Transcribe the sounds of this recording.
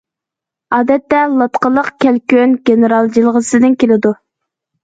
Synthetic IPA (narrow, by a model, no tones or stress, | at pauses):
ɑːd̪ɛt̪ːɛlˠɑt̪qəlˠəqkʲʰælkʲønɡʲeneɾɑlˠd͡ʒilˠʁəsɨd̪ɪnkʲʰelɪd̪u